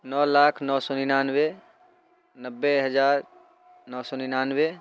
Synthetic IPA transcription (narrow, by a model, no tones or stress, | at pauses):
nɔːlaːkʰnɔsɔinanwe | nəbːeɦəd͡ʒaːɾ | nɔːsɔɪnanwe